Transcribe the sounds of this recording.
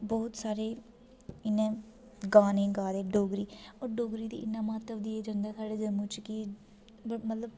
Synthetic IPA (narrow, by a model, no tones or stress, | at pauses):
bɔːʊt̪saːɾeː | ɪnːẽː | ɡaːnẽːɡaːd̪eːɖoːɡɾiːɔːɾɖoːɡɾiːd̪ḭːʔɪnːãːmət̪ːəʋd̪iːeːd͡ʒəŋɡaːsaːɖeːd͡ʒəmũːt͡ʃki | mət̪ləb